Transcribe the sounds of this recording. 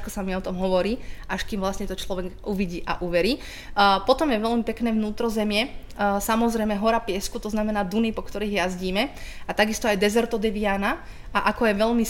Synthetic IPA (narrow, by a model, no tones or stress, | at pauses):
kɔsamiɔt̪ɔmɦɔʋɔɾiːʔaʃkimʋlasɲɛt̪ɔt͡ʃlɔʋɛɡʔuʋiɟiːʔa̰ʔuʋɛɾiː | pɔt̪ɔmjɛʋɛʎmipɛknɛːʋnuːt̪ɾɔzɛmɪɛ | samɔzɾɛjmɛɦɔɾapɪɛskut̪ɔznamɛnaːd̪unipɔkt̪ɔɾiːɦjazɟiːmɛat̪aɡist̪ɔajd̪ɛzɛɾt̪ɔd̪ɛʋiana | ʔaʔakɔjɛʋɛʎmi